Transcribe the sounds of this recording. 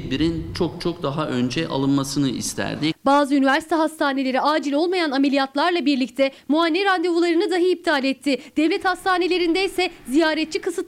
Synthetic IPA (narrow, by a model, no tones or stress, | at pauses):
biɾint͡ʃʰo̞k̚t͡ʃʰo̞k̚d̪aɦaʔønd͡ʒɛʔa̰lˠɯnmasɯnɯist̪ʰæ̰ɾd̪ɪbaːzɯynyvæɾsi̥t̪ʰɛɦast̪ʰaːnelʲe̞ɾiaːd͡ʒilʲo̞lˠmajanamelʲijat̪lˠaɾlˠabiɾlʲict̪ʰɛ | muanʲːɛɾand̪evulˠaɾɯnɯd̪aɦɯip̚t̪ʰaːlʲɛt̪ʰːɪd̪̥ɛvlʲɛt̪hast̪ʰaːne̞lʲe̞ɾind̪ɛjsɛzijaːɾɛt̪̚t͡ʃʰːikʰɯsɯt̪